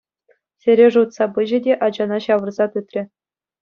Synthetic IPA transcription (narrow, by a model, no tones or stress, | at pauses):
sʲɘ̆ɾʲeʐut̪sɑbɯʑɘ̆dʲeʔɑd͡ʑɑnɑɕɑʋɤ̆rzɑt̪ut̪ʲrʲɘ̆